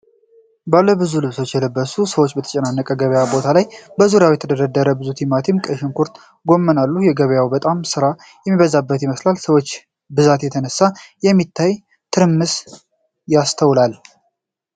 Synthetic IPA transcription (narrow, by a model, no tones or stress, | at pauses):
balːəbɨzulɨβso̞t͡ʃːjɛləbːəsusəwo̞t͡ʃːbət̪ʰə̥t͡ʃʼɛnanːəkʼəɡəβəjabo̞t̪ʰalajbəzuɾjawjɛt̪ʰəd̪əɾad̪ːəɾəbɨzut̪ʰimat̪ʰimkʼəʃɪnkʰuɾt̪ʼ | ɡo̞mːənalːujɛɡəβjawbət̪ʼamsɨɾa | jɛmːiβəzabːət̪jiməslalsəwo̞t͡ʃː | bɨzat̪jɛt̪ʰənəsːajɛmːit̪ʰːaj | t̪ʰɨɾɨmːɨs | jast̪ʰəwlal